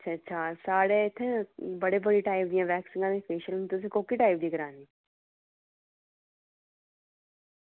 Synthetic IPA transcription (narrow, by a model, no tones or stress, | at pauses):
tːʃʰaːsaːɽeːɪt̪ʰːẽbəɽeːbəɽiːʈaːɪpd̪ɪjãːʋɛːksɪ̃ŋɡãːd̪iːpʰeːʃəlt̪ʊs̬ĩːkoːkiːʈaːɪp̚d̪iːɡəɾaːniː